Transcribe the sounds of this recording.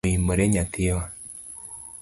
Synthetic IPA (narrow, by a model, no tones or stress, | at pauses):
imbəɾeɲatiwa